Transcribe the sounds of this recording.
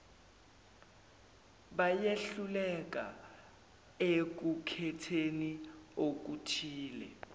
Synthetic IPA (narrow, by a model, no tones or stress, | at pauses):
ɓajeɬulɛk̬ʼa̰ | ek̬ukʰɛtʰeniok̬utʰiːlɛ